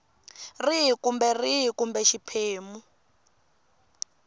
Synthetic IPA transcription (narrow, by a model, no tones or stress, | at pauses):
riɦkumbɛriɦikumbɛʃipʰeːmu